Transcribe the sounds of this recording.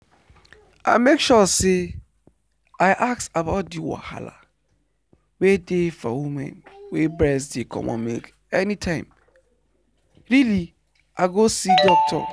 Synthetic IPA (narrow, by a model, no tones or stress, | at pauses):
ʔa̰mekʃɔse | aɪʔaksabaʊt̚diwa̰ha̰la̰ | wedefɔwumɛ̰̃nwebɹɛs̬dekʰɔ̰̃mʔɔ̰̃mḛlk | ɛnitʰãɪ̃m | ɾili | ʔaɡosidɔk̚tʰɔ̰